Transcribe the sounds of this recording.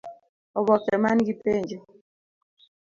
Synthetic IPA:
ɔbɔkɛmaniɡipend͡ʒɛ

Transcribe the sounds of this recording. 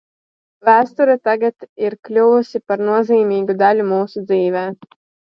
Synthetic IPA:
væːst̪uɾit̪aɡat̪iɾklʲuvusʲipaɾnuɔziːmiːɡud̪alʲumuːsud̪ziːvɛː

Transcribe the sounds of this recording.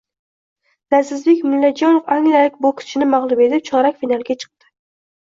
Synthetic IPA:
nazɪzbekʲmɪlːad͡ʒɒnofaŋlalɪk̚ʲbʊkʲʰɪ̥t͡ʃʰɪnɪmaʁlˠʊme̞t̪ɪp̚t͡ʃʰɒɾakʲfinalˠɡʲat͡ʃʰɨ̥q̚t̪ɪ̥

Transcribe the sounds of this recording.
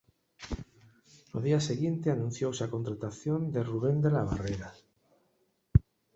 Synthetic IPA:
noðiaseɣjent̪eanũn̟θjowsako̞nt̪ɾat̪aθjond̪eruβ̞e̞nd̪elaβ̞a̰reɾa

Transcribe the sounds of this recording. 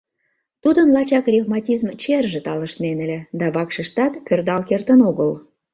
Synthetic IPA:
t̪ud̪ənlɑt͡ɕɑkrʲevmɑtʲizmt͡ɕerʒĕt̪ɑlə̆ʃt̪nenə̆lʲĕd̪ɑβɑkʃəʃt̪ɑt̪pʲørd̪ɑlkert̪ənoɣəl

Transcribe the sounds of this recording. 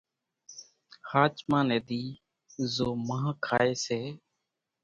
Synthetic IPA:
haːt͡ʃmãːneːd̪iː | zoːmãːkʰaːeːseː

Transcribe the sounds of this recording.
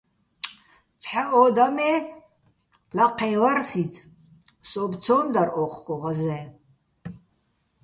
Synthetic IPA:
t͡sʰħaʔɔd̪amɛ | laqʰɛjwarsit͡sʰʼ | sʼɔbt͡sʰɔnd̪aɾʔɔqʰkʷɔʁazɛ

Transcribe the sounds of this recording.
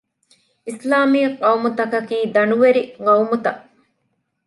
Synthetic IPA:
ʔislaːmiːqɐwmut̪ɐkɐkiːd̪ɐnuʋeɾiŋɐwmut̪ɐʔ

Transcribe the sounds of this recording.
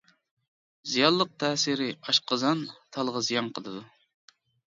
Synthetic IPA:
zijɑlˠːəq̚t̪ʰɛːsɪɾɪɑʃqəzɑnt̪ʰɑlˠʁəzijɑŋqʰəlˠɨd̪u

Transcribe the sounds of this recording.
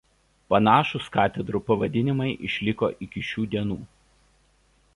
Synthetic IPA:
pɐnɑːʃʊskɑːt̪ʲɛd̪ɾupɐʋɐd̪ʲɪnʲɪmɐɪʔɪʃʲlʲɪko̰ːʔɪkʲɪʃʲuːd̪ʲiɛnuː

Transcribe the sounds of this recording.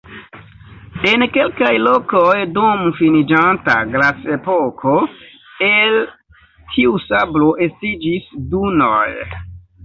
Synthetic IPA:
e̞nke̞lkajlo̞kojdomufinid͡ʒanta̰ɡlase̞pokʰo̞ | el | tʰiusablo̞ʔe̞stid͡ʒisdunoj

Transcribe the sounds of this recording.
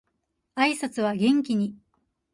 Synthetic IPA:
aisat͡sɨβaɡẽ̞ŋk̬ʲiɲ̟i

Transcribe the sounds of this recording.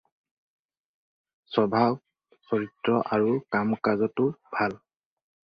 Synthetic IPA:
sɔbʱaw | soɹitɹɔʔaɹukamkazɔtʊbʱal

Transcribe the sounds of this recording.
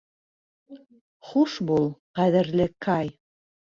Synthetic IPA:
χuʃbulˠʁæðɘ̆ɾlɘkʰɑj

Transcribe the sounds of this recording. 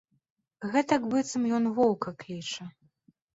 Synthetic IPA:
ɣɛt̪ɐkbɨt̪sɐmjɔnvɔwkɐklʲit͡ʂɐ

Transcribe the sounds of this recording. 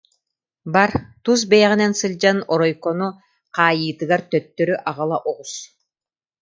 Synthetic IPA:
baɾt̪us̬bɛjaʁinɛnsɯlʲd͡ʒanɔɾɔjkɔnu | qʰɑːjɯːt̪ɯɡaɾt̪œt̪ːøɾyʔaʁɑlˠaʔɔʁus

